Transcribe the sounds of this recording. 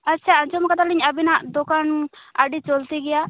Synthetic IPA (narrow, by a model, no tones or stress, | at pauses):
ətːt͡ʃʰaə̃d͡ʒɔmkat̪aliɲabinaʔd̪ɔkanaɖit͡ʃɔlt̪iɡɛja